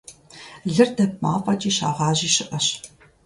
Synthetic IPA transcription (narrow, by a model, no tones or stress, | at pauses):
ɮɨrdɐp̚maːfʼɐt͡ʃʼiːɕa̰ːʁɑːʑiːɕɪʔɐɕ